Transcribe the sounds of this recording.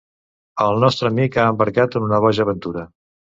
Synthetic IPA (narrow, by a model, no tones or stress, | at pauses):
əlˠnɔst̪ɾəmikaəmbəɾkat̪ənunəβ̞ɔʒəːβənt̪uɾə